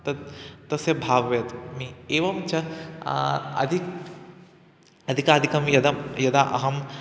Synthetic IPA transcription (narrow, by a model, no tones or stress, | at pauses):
t̪ɐt̪ːɐsjɐbʱaːʋɐʋɐjɐt̪mieːʋɐmt͡ʃɐ | ɐ̰d̪ʱik | ɐd̪ʱikaːd̪ʱikɐmjɐd̪ɐmjɐd̪aʔɐ̰ɦɐm